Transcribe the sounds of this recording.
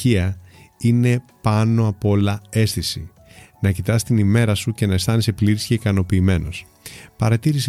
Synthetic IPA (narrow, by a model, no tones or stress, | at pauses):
iɐine̞pɐno̞ɐpo̞lɐe̞sθisi | nɐcit̪ɐst̪inime̞ɾɐsuce̞nɐest̪ɐnise̞pliɾisceikɐno̞piːme̞no̞s | pɐɾɐt̪iɾis